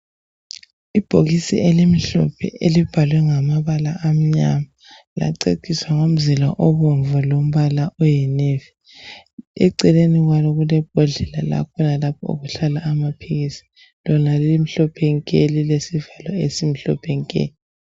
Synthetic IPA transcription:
ib̥ʱoɣisḭʔelimiɬɔ̰pʰɛ̰ʔelib̥ʱalwɛŋamaβalaʔam̩ɲama | la̰ǀḛkʰʼiswaŋom̩zilaʔɔβɔɱvɔlom̩βalaʔɔjɛnevi | ɛ̰ǀɛleniɣwalɔɣulɛb̥ʱɔɮɛla̰la̰kʰɔnalapʰɔṵɣuɬalaːmapʰiɣisi̥ | lɔnalimiɬɔpʰɛŋkʼelilesivalɔesimiɬɔ̰pʰɛŋkʼḛːni

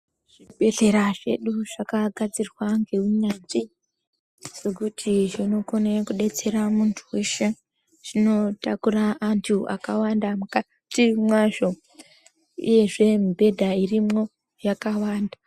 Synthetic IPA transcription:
ʐ̥ibʱe̞ɮe̞ɾaʐe̞̰ɗuʐ̥akaɡʱad͡zirwaŋɡe̞uɲanʐi | se̞kutʰiʐinokonekuɗe̞t͡se̞ɾamuntʰuwe̞ʃe̞ | ʐ̥ino̞takuraːntʰuʔa̰kawandamuka | timwaʐo̞ | ṵje̞ʐe̞mibʱe̞dʱairimo̞ | jakawaːnda

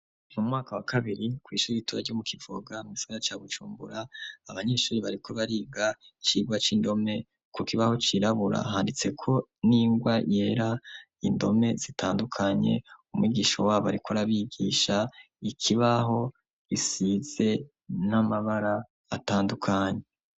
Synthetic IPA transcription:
mumŋaːkawakʰaβiɾikwiːʃuːɾiituːɾaɾɟomukʰivoɡamuɡisaɡaɾat͡ʃaːβut͡ʃuːmbṵɾaːβaɲe̞ːʃuːɾiβaɾiko̞βaɾiːɡat͡ʃiːɡwat͡ʃiːndo̞me̞ | kukiβaho̞t͡ʃiɾaβuɾa̰ɦaːndit͡se̞kʰo̞niːŋɡwaje̞ɾa | indo̞̰me̞z̥itaːndukʰaɲe̞̰umwiːɡiːʃo̰waːβaɾikoɾaβiɡiːʃa | ikʰiβaɦo̞ | isiːze̞ | namaβaɾaː | taːndukʰaɲe̞

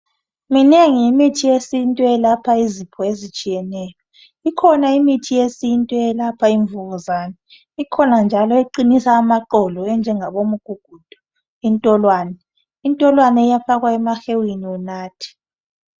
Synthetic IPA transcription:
mineŋiimitʰijesintʼwɛlapʰaizipʰɔezit͡ʃʼijɛnɛːjɔ | ikʰɔnaimitʰijesintʼwɛɛlapʰaiɱvuɣuzaːnɛ | ikʰɔnand͡ʒʱalɔeǃinisaːmaǃɔlɔɛnd͡ʒʱɛŋaβomuɡ̥ʱuɡ̥ʱud̥ʱu̥ | intʼɔlwaːnɛ | intʼɔlwanɛijafaɣwaɛmaxewiniunaːtʰi̥

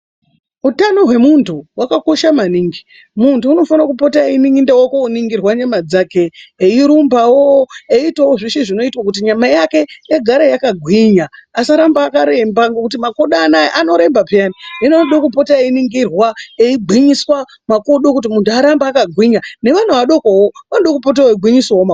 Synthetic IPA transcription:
utano̞ɦwe̞muntʰuwakako̞ʃamaniːŋɡi | muntuːno̞fanakupo̞tainiŋɡindewokouniŋɡirwaɲamad͡zake̞eiɾumbawoeitawoʐiʃiʐino̞itwakut̬iɲamajake̞eɡʱaɾajakaɡʱwiɲaːsaɾambaːkaɾembaŋɡokut̬imako̞ɗanaʔano̞ɾe̞mbapianiinoɗokupo̞tainiŋɡirwaeiɡʱwiɲiswa | mako̞ɗo̞kut̬imuntuaɾambaːkaɡʱwiɲane̞ʋan̤uʋaɗo̞kowoʋanoɗokupot̬awoiɡʱwiɲiswaoma

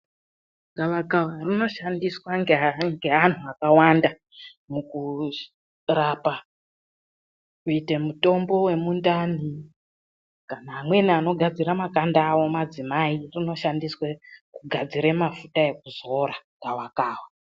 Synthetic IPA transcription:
ɡawakawarino̞ʃandiswaŋɡŋɡe̞ɦan̤uakawanda | muku | rapa | kuite̞muto̞mbo̞we̞mundani | kanaːmwe̞niano̞ɡʱad͡ziɾamakandaːwo̞mad͡zimairino̞ʃandiswekuɡʱad͡ziɾemafutae̞k̚uzo̞ɾaŋɡawakaːwa

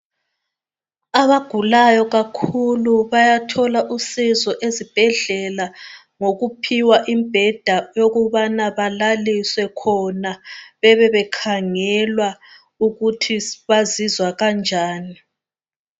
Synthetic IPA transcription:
aβaɡ̥ʱulajɔɣakʰuluβajatʰɔlaʔusizɔʔezib̥ʱɛɮɛla | ŋoɣupʰiwaʔimb̥ʱɛd̥ʱajoɣuβanaβalaliswɛkʰɔnaβɛβɛβɛkʰaŋɛlwa | uɣutʰiβazizwaɣand͡ʒʱaːni

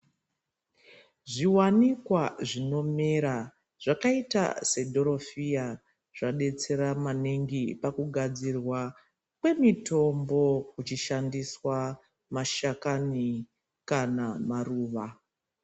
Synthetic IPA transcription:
ʐiwanikwaʐino̞meɾa | ʐ̥akaita̰se̞dʱo̞ɾo̞fija | ʐ̥aɗe̞t͡se̞ɾamaneŋɡipakuɡʱad͡zirwa | kwe̞mito̞mbo̞kut͡ʃiʃandiswa | maʃakani | kanamaruːʋa

